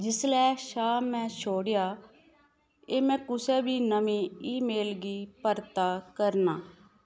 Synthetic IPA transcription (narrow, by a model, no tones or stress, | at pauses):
d͡ʒɪslɛːʃaːmːɛ̃ːt͡ʃʰoːɽɪjaː | eːmɛ̃ːkʊsɛːbʱiːnəmĩːiːmeːlɡiːpəɾt̪aːkəɾnaː